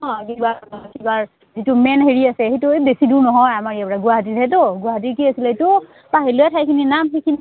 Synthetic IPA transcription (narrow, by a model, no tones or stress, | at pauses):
ɔkibakibaɹ | zitumɛnɦeɹiasɛhetʊebesiduɹnɔɦɔjamaɹijapɛɹaɡʊaɦat̬itʰɛtoɡʊwaɦat̬iɹkiasiletʊ | paɦilojɛtʰajkʰininamɦikʰin